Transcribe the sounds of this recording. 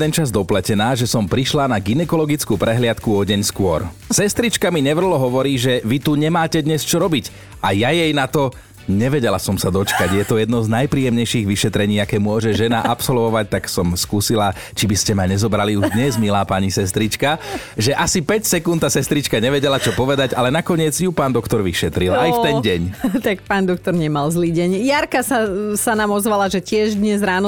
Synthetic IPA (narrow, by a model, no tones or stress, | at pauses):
ɛnt͡ʃazd̪ɔplɛcɛnaːʒɛsɔmpɾiʃlanaɡinɛkɔlɔɡit͡skuːpɾɛɦlɪat̪kuɔɟɛɲskʊɔɾ | sɛst̪ɾit͡ʃkamiɲɛʋr̩ɦlɔɦɔʋɔɾiːʒɛʋit̪uɲɛmaːcɛd̪ɲɛst͡ʃɔɾɔbic | ajajɛjnat̪ɔ | ɲɛʋɛɟɛlasɔmsad̪ɔt͡ʃkaɟjɛt̪ɔjɛd̪nɔznajpɾiːjɛmɲɛjʃiɣʋiʃɛt̪ɾɛɲiːakɛːmʊɔʒɛʒɛnaʔapsɔlʋɔʋac̚t̪aksɔmskuːsila | t͡ʃibiscɛmaɲɛzɔbɾaliuʒd̪ɲɛzmilaːpaɲisɛst̪ɾit͡ʃka | ʒɛʔasipɛcsɛkunt̪ːasɛst̪ɾit͡ʃkaɲɛʋɛɟɛlat͡ʃɔpɔʋɛd̪aɟalɛnakɔɲɪɛd͡zjupaːnd̪ɔkt̪ɔɾʋiʃɛt̪ɾilajft̪ɛnɟɛɲt̪ak̚paːnd̪ɔk̚t̪ɔɾɲɛmalzliːɟɛɲjaɾkasasanaːmɔzʋalaʒɛcɪɛʒd̪ɲɛzɾaːnɔ